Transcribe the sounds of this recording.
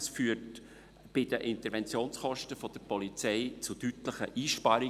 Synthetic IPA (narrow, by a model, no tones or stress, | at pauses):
sfyːt | b̥ɪdəʔɪntəɾʋɛnt͡sjoːnsχɔʃtəfɔd̥əɾpɔlit͡sɛɪt͡sutytləχəʔiːʃpɑɾɪ